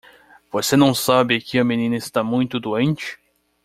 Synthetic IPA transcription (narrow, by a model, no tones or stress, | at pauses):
v̥osenɐ̃w̃sabɪkɪɐmẽnĩnɐɪst̪amũj̃t̪ʊd̪uẽnt͡ʃɪ̥